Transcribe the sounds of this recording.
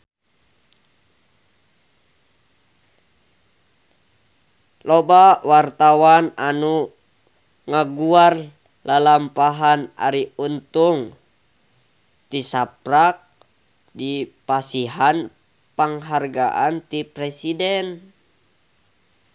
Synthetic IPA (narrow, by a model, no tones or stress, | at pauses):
lɔbawart̪awananu | ŋaɡuar | lalampaɦana̰ɾiunt̪uŋ | t̪isaprak̚ | dipasiɦan | paŋɦarɡa̰ʔant̪ipɾɛsidɛn